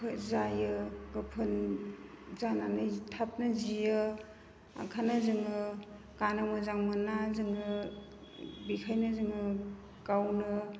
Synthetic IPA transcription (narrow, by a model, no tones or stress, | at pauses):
pʰɯzajɯɡɯpʰɯn | zananɯtʰap̚nɯzijɯ | a̰kʰanɯzɯŋɯ | kanamɯzaŋmɯnazɯŋɯ | bikʰajnɯzɯŋɯ | kawnɯ